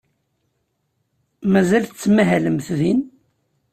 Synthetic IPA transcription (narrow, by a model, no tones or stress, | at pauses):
mæzælθt͡sːmæɦæləmθðin